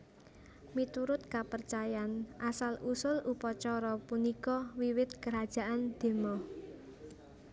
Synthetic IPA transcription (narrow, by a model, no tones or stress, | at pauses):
mit̪uɾʊt̪̚kapərt͡ʃajanʔasalʔusʊlupɔt͡ʃɔɾɔpunikɔwiwɪt̪̚kəɾad̥ʒ̥a̤ʔand̪̥e̤mɔ